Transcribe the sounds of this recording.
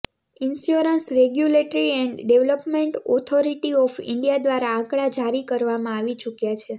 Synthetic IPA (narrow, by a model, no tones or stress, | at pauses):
ɪnsjuɾənsɾeɡjuleʈəɾiɛɳɖɖeʋləpmeɳʈɔt̪ʰoɾiʈiɔfɪ̰ɳɖijad̪ʋaɾaãkɭad͡ʒaɾikəɾʋamãaʋit͡ʃukjat͡ʃʰe